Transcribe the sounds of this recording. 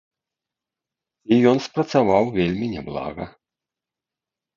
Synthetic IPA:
ijɔnspɾɐt̪savawvʲelʲmʲinʲɛblˠa̰ɣɐ

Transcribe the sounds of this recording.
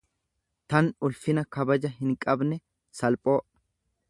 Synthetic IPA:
t̪ɐnʊlfɪnɐkɐbɐd͡ʒɐɦɪŋkʼɐbnɛ | sɐlpʼoːʔ

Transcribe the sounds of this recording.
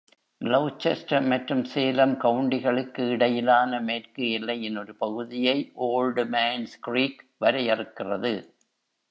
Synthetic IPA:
lɐʊt͡ʃːɐsʈɐɾmɐʈɾɯmseːlɐmkɐɯɳɖɪɣɐɭɯkːɯɪɽɐjɪlaːnɐmeːrkɯɪlːɐɪɛnːɔɾɯpɐɣɯðɪjɐɪʔoːlɖmeːnskɾiːkʋɐɾɐjɛrɯkːɪrɐ̰ðɯ

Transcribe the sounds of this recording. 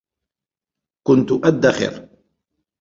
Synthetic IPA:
kʊnt̪ʊʔæd̪ːæχɪ̰ɾ

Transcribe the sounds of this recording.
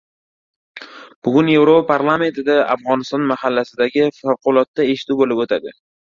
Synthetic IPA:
b̥ʊɡʲʊnje̞vɾopapʰaɾlˠame̞nt̪ʰɪd̪aa̰fʁɒnɪst̪ɒnmahalːasɪd̪aɡʲɪfawqʊlˠɒt̪ːae̞ʃɪ̥t̪ubolɪpot̪ʰad̪ɪ

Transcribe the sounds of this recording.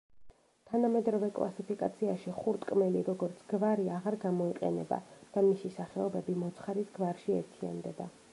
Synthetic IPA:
t̪ʰanamɛd̪ɾɔvɛkʼlˠa̰sipʰikʼa̰t̪sʰiaʃiχuɾt̪ʼkʼmɛliɾɔɡɔɾt̪sʰɡ̥vaɾiaʁaɾɡamɔiqʼɛ̰nɛba̰d̪̥amisisaχɛɔbɛbimɔt̪sʰχaɾisɡvaɾʃiɛ̰ɾt̪ʰia̰nd̪ɛba̰

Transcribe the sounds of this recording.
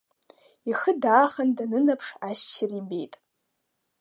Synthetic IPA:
iχɨdaːχandanɨnapʰʂasːirimbe̞̰jtʼ

